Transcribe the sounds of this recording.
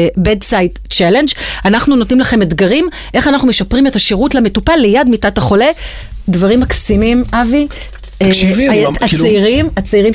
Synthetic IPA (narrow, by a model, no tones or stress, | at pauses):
bedsajt | t͡ʃale̞nd͡ʒanaχnunotnimlaχe̞medɡaʁim | ʔe̞χanaχnume̞ʃapʁimetaʃeʁutlametupalːejadmitataχo̞le̞ | dvaʁimːaksimimavi | viat͡seiʁimat͡siʁim